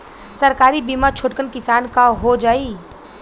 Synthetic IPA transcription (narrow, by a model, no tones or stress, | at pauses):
sɐɾkaːɾibiːmat͡ʃʰʊʈkənkɪsaːnkaɦod͡ʒaːiː